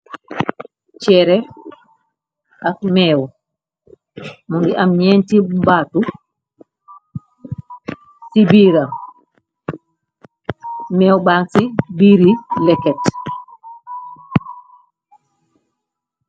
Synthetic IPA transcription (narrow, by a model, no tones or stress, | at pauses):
t͡ʃɛɾɛ | akmɛːw | muŋɡiʔamɲeːntibaːtu | sibiɾa | mɛːwbaːnsibiɾilɛkːɛt